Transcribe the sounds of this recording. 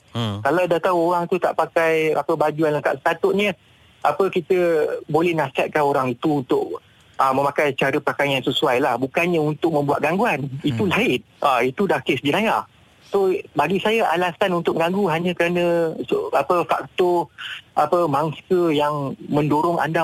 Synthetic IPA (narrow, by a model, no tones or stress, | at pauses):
kalawdaht̪auoɾaŋt̪ut̪a̰ʔpakaja̰pəbad͡ʒuanləŋkaʔsə̥pat̪ʊʔ̪̚ɲə | a̰pəkit̪əbolɛhnasat̪̚kanoɾaŋit̪uːnt̪ʊʔ̚ | əmə̃mãkajt͡ʃaɾəpakajansəsuajlahbukanɲə̃unt̪ʊk̚mə̃mbuat̪̚ɡaŋɡuanit̪ulaɪn | ʔait̪udahkesd͡ʒənaja | sobaɡisajaʔa̰lasanunt̪ʊk̚ɡaŋɡuɦaɲə̃kəɾanə̃apəfak̚t̪ɔapəmaŋsəjaŋmə̃ndoɾʊŋʔa̰nda